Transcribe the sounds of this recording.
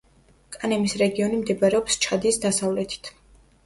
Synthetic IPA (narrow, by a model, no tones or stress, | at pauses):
kʼanɛmisɾɛɡiɔnimd̪ɛbaɾɛɔpst͡ʃʰad̪isd̪asavlɛt̪ʰi̥t̪ʰ